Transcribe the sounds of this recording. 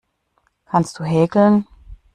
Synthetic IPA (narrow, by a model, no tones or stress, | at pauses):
kʰanst̚d̥uːɦɛːɡl̩n